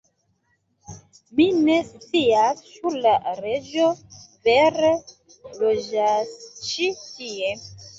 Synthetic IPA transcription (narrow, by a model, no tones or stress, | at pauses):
minest͡siasːuɾlaɾe̞d͡ʒoveɾe | lod͡ʒast͡ʃitie